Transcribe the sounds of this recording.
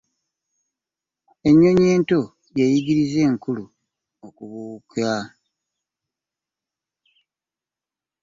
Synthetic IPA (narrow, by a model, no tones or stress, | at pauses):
e̞ɲːo̞ɲe̞ːnto̞ | jejiɡiɾize̞ːŋkulu | okuβuːka